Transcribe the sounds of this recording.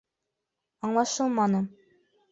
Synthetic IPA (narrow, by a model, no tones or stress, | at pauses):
ɑɴlˠɑʃɤlˠmɑnɤ